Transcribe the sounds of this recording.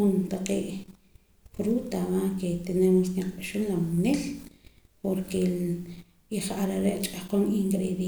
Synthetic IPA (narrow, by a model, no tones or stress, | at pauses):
unt̪aqeːʔ | fɾuːt̪amaket̪inemuskiqɓaʃunlamnil | poɾke | iχaɾaɾeʔt͡ʃʼahqonʔiŋkɾeð